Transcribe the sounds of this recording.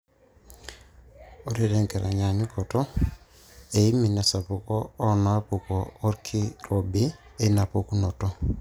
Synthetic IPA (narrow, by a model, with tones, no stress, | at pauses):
o˦ɾeɾe˨ŋkeɾa˨ɲa˨ɲu˦koto | e˨imi˨na˨sa˨pukoː˦naapukoː˦ɾkʰi˦ɾobi˦ena˨poku˦no˨to